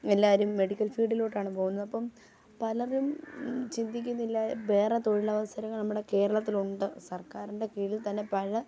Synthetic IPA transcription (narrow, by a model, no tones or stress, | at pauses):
e̞lːaːɐɾumːe̞ɽikʲːɐlfiːɖilo̞ːʈːaːɳɨpo̞ːɣunːɐðɐpːɐm | pɐlɐrumt͡ɕind̪ikʲːunːilːɐbe̞ːret̪o̞ɻilɐʋɐsɐɾɐŋːɐɭnɐmːuɽe̞ke̞ːɾɐɭɐt̪ːiluɳɖɨsɐrkaːruɳɖe̞kiːɭilt̪ɐnːe̞pɐɻɐ